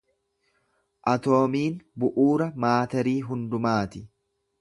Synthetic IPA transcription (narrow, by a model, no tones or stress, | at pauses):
ʔɐt̪o̞ːmiːnbʊʔuːɾɐmaːt̪ɐɾiːɦʊnd̪ʊmaːt̪ɪ